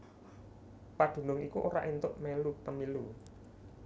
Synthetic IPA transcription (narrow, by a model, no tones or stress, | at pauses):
paɖ̪̥ṳnʊŋikuʔoɾa̰ʔint̪ʊʔmelup̪əmilu